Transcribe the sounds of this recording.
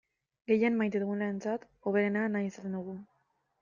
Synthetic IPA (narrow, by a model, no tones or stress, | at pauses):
ɡe̞jenmajt̪̬eðuɣunlaent͡sat̪ | o̞β̞e̞ɾenanajisat̪end̪uɣu